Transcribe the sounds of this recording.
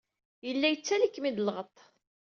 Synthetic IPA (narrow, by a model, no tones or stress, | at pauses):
jəlːæjət͡sːælikːmid̪əlʁət̪ˤ